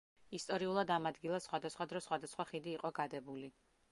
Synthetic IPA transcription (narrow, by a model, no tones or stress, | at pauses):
ist̪ʼɔɾiulˠad̪amad̪ɡilˠasχwad̪asχwad̪ɾɔsχwad̪asχwaχid̪iːqʼɔɡad̪ɛbuli